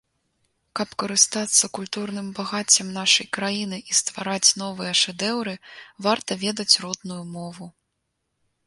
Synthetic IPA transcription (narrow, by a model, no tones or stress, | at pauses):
kɐpkɐɾɨst̪at̪sːɐkulʲt̪urnɨmbaɣat͡sʲːɐmnaʂɐjkɾajinɨʔist̪vaɾat͡sʲn̪ɔvɨjɐʂɛd̪ɛwɾɨvart̪ɐvʲɛd̪ɐt͡sʲrɔd̪nujumɔvu